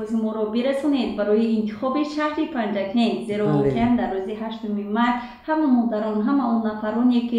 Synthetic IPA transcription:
ʃumɔɾɔbiɾasɔne̞d̪̚baɾɔjiːnt̪ʰi̥χɔbiʃahɾipʰand͡ʒakʰenze̞ɾɔɔkiand̪arːuziɦaʃt̪umimaɾt̪ | hamamɔd̪aɾɔnɦamaɔnːafaɾɔneki

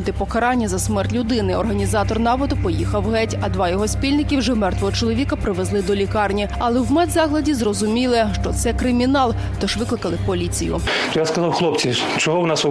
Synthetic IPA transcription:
d̪ɪpɔkɐɾɑnʲːɐzɐsmɛrtʲlʲʊd̪ɪnɪɔrɦɐnʲizɑt̪ɔrnɑʋɔd̪ʊpɔjixɐwɦɛtʲɐd̪ʋɑjɔɦɔsʲpʲilʲnɪkʲiwʒɛmɛrt̪ʋɔɦɔt͡ʃɔlˠɔʋʲikɐpɾɪʋezlˠɪd̪ɔlʲikɑrnʲi | ɐlˠɛwmɛd̪zɑɦlˠɐdʲizrɔzʊmʲilˠɪʃt͡ʃɔt̪sɛkɾɪmʲinɑlˠ | t̪ɔʃʋɪklˠɪkɐlˠɪpɔlʲit͡sʲijʊ̰t̪ɔjaskɐzɑwxlˠɔpt͡sʲi | t͡ʃɔɦɔwnɑs

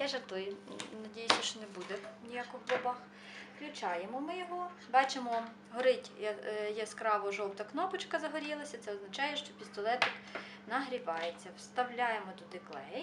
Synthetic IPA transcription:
jaʒɐt̪ɔjnɐdʲijsʲʊʃt͡ʃɔnebud̪ɛnʲijakɔxbɔbɑx | klʲʊt͡ʃɑjemɔmɪjɔɦɔ | bɑt͡ʃemɔ | ɦɔɾɪtʲjɛskɾɑʋɔʒɔwt̪ɐknɔpʊt͡ʃkɐzɐɦɔɾʲilˠɐsʲɐt̪sɛɔznɐt͡ʃɑjɛʃt͡ʃɔpʲist̪ɔlˠɛt̪ɪk | nɐɦɾʲiʋɑjet͡sʲːɐwst̪ɐwlʲɑjemɔd̪ɔd̪ɪklˠɛj

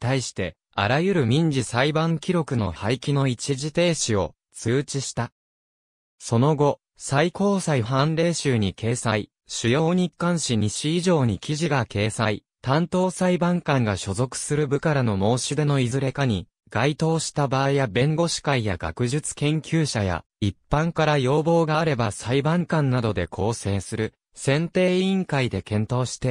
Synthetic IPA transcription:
it̪aiɕi̥t̪e̞ | a̰ɾajɯ̟ɾɯ̟mʲĩɲ̟d͡ʑisaibãŋkʲiɾo̞kɯ̟no̞̰haikʲino̞it͡ɕiʑit̪e̞ːɕio̞̰ | t͡sɨːt͡ɕiɕi̥t̪a | so̞no̞ɡo̞ | saiko̞ːsaiɦãnɾe̞ːɕɨːɲ̟ikʰe̞ːsai | ɕɨjo̞ːɲ̟ikːãɰ̃ɕiɲ̟iɕiiʑo̞ːɲ̟ikʲiʑiɡake̞ːsai | t̪ãnt̪o̞ːsaibãŋkãŋɡaɕo̞zo̞kɯ̟̥sɨɾɯ̟bɯ̟kaɾano̞mo̞ːɕɨd̪e̞no̞izɨɾe̞kaɲ̟i | ɡ̥ait̪o̞ːɕi̥t̪abaːijabẽ̞ŋɡo̞ɕi̥kaijaɡa̰kɯ̟ʑɨt͡sɨ̥kẽ̞ŋkʲɨːɕaja̰ | ipːãŋkaɾajo̞ːbo̞ːɡaːɾe̞basaibãŋkãnːad̪o̞d̪e̞kʰo̞ːse̞ːsɨɾɯ̟ | sẽ̞nt̪e̞ːĩŋkaid̪e̞kẽ̞nt̪o̞ːɕi̥t̪e̞

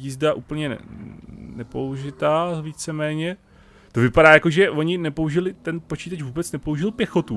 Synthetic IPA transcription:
iːzdaʔuːpl̩ɲɛ̰ | nɛpouʒɪt̪aːviːt͡sɛmɛːɲɛ | t̪o̞vɪpadaːjako̞ʒɛvoɲɪnɛpouʒɪlɪt̪ɛnpo̞t͡ʃiːt̪at͡ʃvuːbɛt͡snɛpo̞uʒɪlpjɛxo̞t̪u

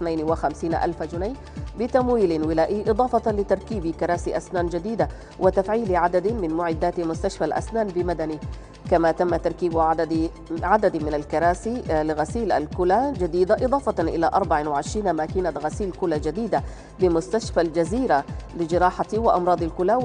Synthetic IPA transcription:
ɪθnajnwɪxamsiːnʔa̰lfad͡ʒʊnaj | bɪt̪amwiːlɪnwɪlaːʔɪːʔɨd̪ˤɑːfɑtlɪt̪ɑɾˤkiːbikɑɾˤɑːsiʔasnaːnd͡ʒad̪iːd̪a | wʔɪt̪afʕiːlɪʕad̪ad̪mɪnmʊʕɪd̪ːaːt̪mʊst̪aʃfalʔa̰snaːnbɪmad̪ani | kamat̪amːat̪ɑɾˤkiːbʕad̪d̪ | ʕad̪ad̪mɪnalkɑɾˤaːsilɪɣasiːlʔa̰lkʊlad͡ʒad̪iːd̪aʔɨd̪ˤɑːfɑnʔɪlaʔɑɾˤbaʕɪnwɪʕɪʃɾiːnamakɪnaɣasiːlkʊlad͡ʒad̪iːd̪a | bɪmʊst̪aʃfald͡ʒaziːɾalɪd͡ʒɪɾˤɑːħat̪iwɪʔɑmɾɑːd̪ˤɪlkʊla

